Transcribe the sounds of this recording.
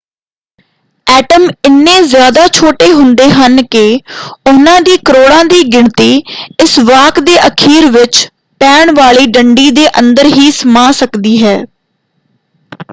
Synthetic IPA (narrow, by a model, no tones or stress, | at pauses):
ɛːʈəmɪnːẽːzjaːd̪aːt͡ʃʰoːʈeːɦʊnd̪eːɦənkɪʊnãːd̪iːkəɾoːɽãːd̪iːɡɪɳt̪iːɪsʋaːkd̪eːʔəkʰiːɾʋɪt͡ʃ | pɛːɳʋaːɭiːɖəɳɖiːd̪eːʔə̃nd̪əɾɦiːsəmãːsəkd̪iːɦɛː